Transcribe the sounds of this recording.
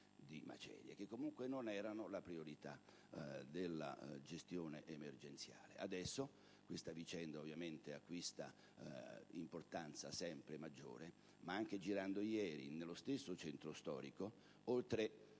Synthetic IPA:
d̪ima̰t͡ʃɛ̰ːɾjḛk̟ekːomuŋkwenonɛːɾanolapɾioɾit̪a̰ | d̪elːa̰d͡ʒest̪joːneʔemerd͡ʒent̪sja̰ːlḛad̪ɛsːo | kwest̪avit͡ʃɛnd̪aovːjament̪eakːwist̪a̰ | import̪ant̪sa̰sɛmpɾemad͡ʒːo̰ːɾe | maaŋk̟ed͡ʒiɾand̪ojɛːɾḭnelːost̪esːot͡ʃɛnt̪ɾost̪ɔ̰ːɾiko | olt̪ɾe

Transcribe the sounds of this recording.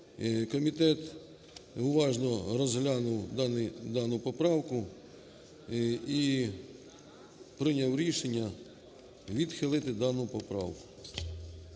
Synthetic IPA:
kɔmʲit̪ɛt̪ | ʊʋɑʒnɔɾɔzɦlʲɑnʊwd̪nɪd̪ɑnʊpɔpɾɑwkʊ | i | pɾɪnʲawɾʲiʃenʲːɐ | ʋʲid̪xɪlˠɪt̪ɪd̪ɑnʊpɔpɾɑ̰wkʊ̥

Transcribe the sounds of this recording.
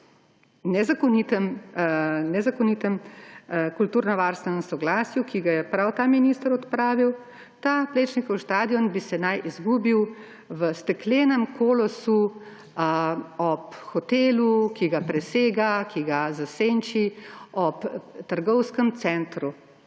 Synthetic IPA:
nɛzakɔnit̪əm | nɛzakɔnit̪əm | kult̪uːɾnɔʋaːɾst̪ʋɛnɛsɔɡlaːsjukiɡajɛpɾawt̪aːminist̪əɾɔt̪pɾaːʋiw | t̪aːpleːt͡ʃnikɔwʃt̪aːd̪iɔnbisɛnajʔizɡuːbiw | ʋəst̪ɛkleːnəmkʰoːlɔsu | ɔpxɔt̪eːlukiɡapɾɛseːɡakiɡazaseːnt͡ʃiɔpt̪əɾɡɔwskəmt̪sɛnt̪ɾu

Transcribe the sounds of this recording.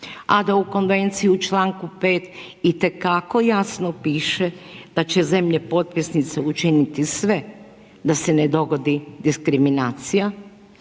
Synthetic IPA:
ad̪auko̞nʋe̞nt̪sijiut͡ʃlaːŋkupe̞ːt̪ | it̪e̞kako̞jasnopiːʃed̪̥at͡ɕe̞ze̞mʎepo̞t̪̚pisnit̪seut͡ʃinit̪isʋe̞ | d̪ase̞ned̪o̞ɡo̞d̪id̪iskɾiminaːt̪sija

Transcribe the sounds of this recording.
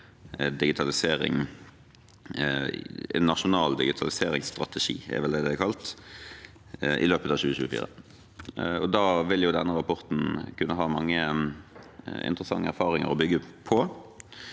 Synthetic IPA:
d̪ɪɡɪt̪ʰɑlɪseːɾɪ̰ŋ | ɛ̰nːɑʂʊnɑːld̪ɪɡɪt̪ʰɑlɪseːɾɪŋsst̪ʁɑt̪ɛʃḭːɛ̰ɾʋɛlɛd̪ɛækʰɑlt̪ | ʔɪ̰løːpət̪ɑʋɕçʉːəçʉːəfḭːʁə̰ | ɔd̪ɑːʋɪljʊd̪ɛnːəɾɑpʰɔʁt̪n̩kʰʉnːəɦɑːmɑŋːə | ɪ̰nt̪ɾəsɑŋːəæɾfɑːʁɪŋə̰ɾɔbʏɡəpʰɔ

